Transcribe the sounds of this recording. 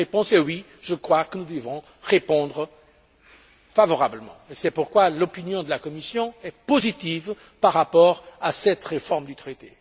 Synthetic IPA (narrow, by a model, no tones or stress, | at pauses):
ʁepɔ̃sewi | ʒəkχwakənud̪əvɔ̃ | ʁepɔ̃d̪ʁə | favɔʁabləmɑ̰̃esɛpuʁkwalɔpinjɔ̃d̪əlakɔmisjɔ̃ɛpozit̪iv | paʁːapɔʁasɛt̪ʁefɔʁmd̪yt̪χet̪e